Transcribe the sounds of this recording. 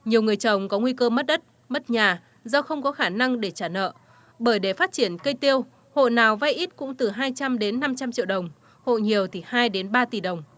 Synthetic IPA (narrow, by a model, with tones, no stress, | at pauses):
ɲi˨˩əwŋɨ˨˩əjt͡ɕə˨˩wŋ͡mkɔ˨˦ŋwi˧kəː˧mə˦˥t̚ɗə˦˥t̚ | mə˦˥t̚ɲaː˨˩ | zɔ˧xə˧wŋ͡mkɔ˨˦xaː˧˩na˧ŋɗe˧˩t͡ɕaː˧˩nə̰ː˧˨ | ɓəː˧˩jɗe˧˩faː˦˥t̚t͡ɕi˧˩ənkə˧jt̪i˧əw | ho̰˧˨jnaː˨˩wva˧jʔi˦˥t̚kʊ̰˧˥ŋ͡mt̪ɨ˨˩ɦaː˧jt͡ɕa˧mɗe˨˦nːa˧mt͡ɕa˧mt͡ɕḭ˧˨wɗə˨˩wŋ͡m | ho̰˧˨jɲi˨˩əwt̪ʰi˨˩haː˧jɗe˨˦nɓaː˧t̪i˨˩ɗə˨˩wŋ͡m